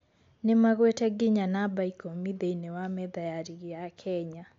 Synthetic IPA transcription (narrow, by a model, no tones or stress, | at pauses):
nɪmaɣwɛtɛɡɪɲanabaikomiðeinɛwamɛðajaɾiɣijakʰɛɲa